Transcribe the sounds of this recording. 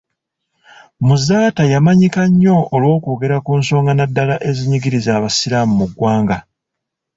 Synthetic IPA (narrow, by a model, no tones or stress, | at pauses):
muzaːtajamaɲikaɲːo̞ːlwo̞ːkoːɡe̞ɾakuːnso̞ːŋɡanadːalaʔe̞ziɲiɡiɾizaːβasiɾamumuɡwaːŋɡa